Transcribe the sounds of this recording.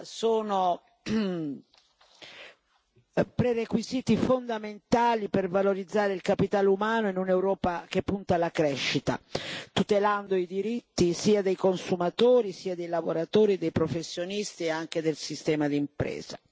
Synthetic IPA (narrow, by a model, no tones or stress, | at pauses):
soːno | pɾerekwiziːt̪ifond̪ament̪aːlipervaloɾid̪zːaːɾeilkapit̪aːlumaːnoinunewɾɔːpak̟epːunt̪alakɾɛʃːit̪a̰t̪ut̪eland̪oid̪iɾit̪ːisiːad̪ejkonsumat̪oːɾisiːad̪ejlavoɾat̪oːɾid̪ejpɾofesːjonist̪ieaŋk̟ed̪elsist̪ɛːmad̪impɾɛ̰ːza